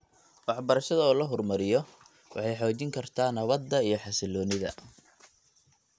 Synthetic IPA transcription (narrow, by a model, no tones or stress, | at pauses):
wɑħbɐɾɐʃɐðɐɔːlɐɦɔrmɐɾɪjɔ | wʔɑ̰ħɑjħɔːt͡ʃɪŋkʰɐrt̪ʰaːnɐβɐd̪ːɐijɞħɑsɪlɔːnɪðɐ̰